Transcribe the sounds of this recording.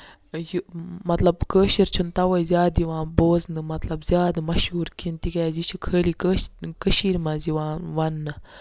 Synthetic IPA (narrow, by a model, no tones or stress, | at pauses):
jumɐt̪lɐbkəːʃiɾt͡ʃʰunt̪ɐʋɐjzʲjaːd̪iʋãːboːznɨmɐt̪lɐbzʲjaːd̪ɨmɐʃɦuːɾkint̪ikɐjazit͡ʃʰukʰəːlikəːkəʃiːɾmaziʋãːʋɐnːɨ